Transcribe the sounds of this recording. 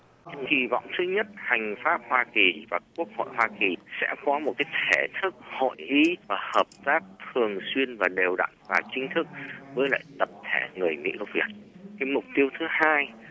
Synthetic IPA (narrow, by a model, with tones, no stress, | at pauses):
ki˧˨˩vɔ̰˧˨wŋ͡mt̪ʰɨ˨˦ɲə˦˥t̚ha˨˩jŋ̟faː˦˥p̚hwaː˧ki˨˩vaː˨˩ku˦˥ək̚ho̰˧˨jhwaː˧ki˨˩sɛ̰˧˥kɔ˨˦m˨˩t̚kaː˨˦jt̪ʰe˧˩t̪ʰɨ˦˥k̚ho̰˧˨jʔi˨˦vaː˨˩həː˨˩p̚t̪aː˦˥k̚t̪ʰɨ˨˩əŋswi˧ənvaː˨˩ɗe˨˩wɗa̰ː˧˨ŋvaː˨˩t͡ɕï˨˦ŋ̟t̪ʰɨ˦˥k̚vəː˨˦jla̰ː˧˨jt̪ə˨˩p̚t̪ʰe˧˩ŋɨ˨˩əjmḭ˧˥ə˧˩wvḭ˨˩ət̚ka˨˦mʊ˨˩k͡p̚t̪i˧əwt̪ʰɨ˨˦haː˧j